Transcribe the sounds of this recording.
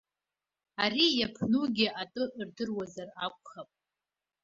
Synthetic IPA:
aɾijapʰnuɡʲiʔatʼɨʔrdɨrwazarakʷʼχapʼ

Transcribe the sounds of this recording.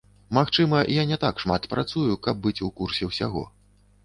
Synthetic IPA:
maxt͡ʂɨmɐjanʲɛt̪akʂmat̪pɾʔat̪sujukɐb̚bɨt͡sʲukursʲɛwsʲa̰ɣɔ̰

